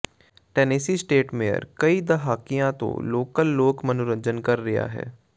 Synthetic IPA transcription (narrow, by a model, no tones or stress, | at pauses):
ʈɛːniːsiːsʈeːʈmeːjə̰ɾkəid̪əɦaːkijãt̪õ̰ːloːkəlːoːkmənʊɾə̃ɲd͡ʒənkəɾːɪja̰ːɦɛ̰ː